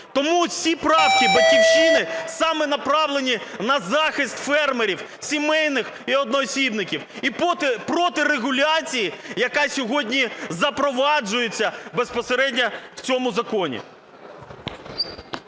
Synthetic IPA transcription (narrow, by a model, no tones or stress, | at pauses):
t̪ɔmusʲipɾɑfkʲibɐlʲkʲiwʃinɪsɑmɛnɐpɾɑwlˠenʲinɐzɑxɪst̪ʲfɛrmeɾʲiw | sʲimɛjnɪxiɔd̪̚nɔːsʲib̪nɪkʲiwip̪pɾɔt̪ɪreɦʊlʲat͡sʲijijɐkɑsʲɔɦɔdʲnʲizɐpɾɔʋɑd͡ʒʊjet͡sʲːɐbe̞spɔseɾɛdʲnʲɐw̥t͡sʲɔmʊzɐkɔnʲḭ